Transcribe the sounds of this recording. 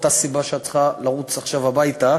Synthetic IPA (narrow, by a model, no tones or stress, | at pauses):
t̪asibaʃeat͡sχalaʁut͡saχʃavabajta